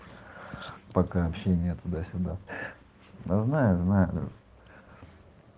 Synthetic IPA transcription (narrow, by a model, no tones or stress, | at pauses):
pɐkaɐpɕenʲɪjət̪ʊd̪asʲʊd̪a | aznajʊznajʊ̰